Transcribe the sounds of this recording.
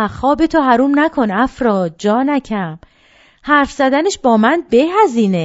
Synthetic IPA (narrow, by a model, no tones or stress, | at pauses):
xɒːbet̪ʰoɦæɾuːmnækʰo̞næfɾɒːd̪̚d͡ʒɒːnæcʰæm | hæɾfz̥æd̪æneʃbɒːmænbeɦæziːne